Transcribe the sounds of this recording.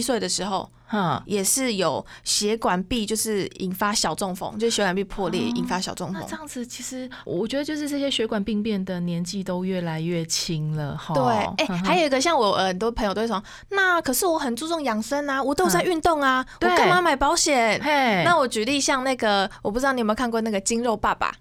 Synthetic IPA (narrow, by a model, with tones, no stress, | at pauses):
i˥swe˥ɪd̪ə˩ʂɻ̩˧˥xo˥˧ʊ | jɛ˨˩ʂɻ̩˥˩jo˨˩ʊɕjɛ˧˥kwa˨˩npi˥˧t͡ɕjo˥˧ʊʂɻ̩˥˩ḭ˨˩nfa˦ɕjɑ˨˩ʊt͡sʊ˥˩ŋfŋt͡ɕjo˥˧ʊʂɻ̩˥˩ɥɛ˧˥kwa˨˩pi˥˧pʰwɔ˥˧ljɛ̰˥˩ʔḭ˨˩nfa˦ɕjɑ˨ʊt͡sʊ˥˨˩ŋfna̰˥˧˨ʈ͡ʂə˥˧jɑ˥˩ŋd͡z̩˨t͡ɕʰi˧˥ʂɻ̩˧˥˨ | wɔ˨˩t͡ɕɥɛ˧˥d̪ə˧t͡ɕjo˥˧ʊʂɻ̩˥˧ʈ͡ʂɤ˥˩ɕjɛ˥ɕɥɛ˧˥kwa˨˩npi˥˧ŋpjɛ˥˩nd̪ə˨˩njɛ˧˥nt͡ɕi˥˧t̪o˥ʊɥɛ˥˩la˧˥ɪɥɛ˥˩t͡ɕʰi˥ŋlə̰˨ht̪we˥˩ɪe˥˩ɪxa˧˥ɪjo˨˩i˧˥ɡə˧ɕ̬jɑ˥˩ŋwɔ˨˩ə˨˩nt̪wɔ˥pʰə˧˥jt̪o˥˩˥ | na˥˩kʰɤ˨˩ʂɻ̩˥˩wɔ˧˦xə˨˩nt͡su˥˧t͡sʊ˥˩ŋjɑ˨˩ŋsə˦˥na˧wɔ˨˩t̪o˥ʊt͡sa˥˧ɪy˥˧nt̪ʊ˥˩ŋa˨wɔ˨˧kə˥ŋma˧˦ma˨˩ɪpɑ˧˥ʊɕjɛ˨˩nna˥˨wɔ˨˩t͡ɕy˧˥li˥˧ɕjɑ˥˧ŋna˥˩ɡə˨˩wwɔ˨˩pu˥˩˧ɑ˥˩ni˨˩mə˧˥kʰa˥˧nkwɔ˥˧na˥˩ɡə˨˩t͡ɕi˥nɻo˥˧ʊpa˥˩ba̰˨˩